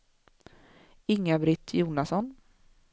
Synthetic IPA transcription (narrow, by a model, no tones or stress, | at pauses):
ɪŋːabɾɪt̪ʰːjuːnasɔn